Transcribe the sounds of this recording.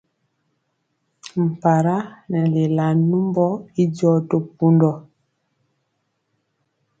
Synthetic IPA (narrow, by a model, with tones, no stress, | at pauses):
m̩˨pa˨ɾa˦na˨le˨la˨nu˦mbɔ˦i˦ɟɔ˦to˦pu˦ndɔ˨